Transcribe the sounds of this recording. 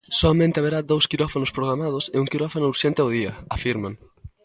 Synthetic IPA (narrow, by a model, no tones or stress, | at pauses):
sɔamẽnt̪ɪaβeɾad̪owskiɾɔfanʊspɾoɣɾamað̞ʊsɪuŋkiɾɔfanʊuɾʃɛnt̪ɪaʊð̞iɐafiɾmãŋ